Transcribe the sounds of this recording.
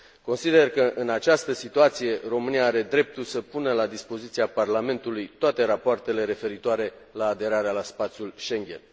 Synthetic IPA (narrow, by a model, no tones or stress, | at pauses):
ko̞nsid̪e̞rkəʔɨnat͡ʃast̪əsit̪uat̪sije̞ro̞mɨniaaɾe̞d̪ɾe̞p̚t̪usəpunəlad̪ispo̞zit̪siaparlame̞nt̪ulujt̪oat̪e̞ɾapoart̪e̞le̞ɾe̞fe̞ɾit̪oaɾe̞ | laːd̪e̞ɾaɾealaspat̪sjulʃe̞ŋɡʲe̞̰n